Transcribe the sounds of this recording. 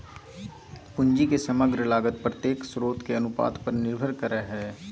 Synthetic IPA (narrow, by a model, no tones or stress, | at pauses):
pʊɲd͡ʒikesɐməɡɾəlaːɡət̪̚pɾət̪jeːksɾoːt̪keɐnʊpa̰ːt̪pɐɾnɪɾbʱəɾkəɾəɦɛː